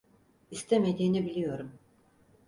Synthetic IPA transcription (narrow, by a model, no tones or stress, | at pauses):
ist̪ʰeme̞d̪iːnibilʲijo̞ɾum